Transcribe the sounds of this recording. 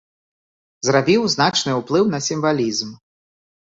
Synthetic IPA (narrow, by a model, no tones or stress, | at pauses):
zɾabʲiwznat͡ʂnɨuplˠɨwnɐsʲimvalʲizm